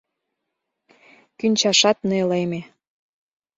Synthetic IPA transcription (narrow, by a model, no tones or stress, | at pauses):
kynʲt͡ɕɑʃɑt̪neleme